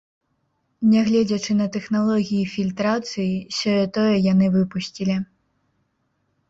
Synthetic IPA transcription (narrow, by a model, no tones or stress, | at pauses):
nʲɛɣlʲɛd͡zʲɐt͡ʂɨnɐt̪ɛxnalˠɔɣʲijifʲilʲt̪ɾat̪sɨjisʲɔjɛt̪ɔjɛjanɨvɨpusʲt͡sʲilʲi